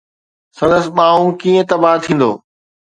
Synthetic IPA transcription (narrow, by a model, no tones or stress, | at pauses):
sɐ̃nd̪əsɪ̆ɓaːũkiːə̃t̪ɐbaːɦt̪ʰĩːn̆d̪o̰ː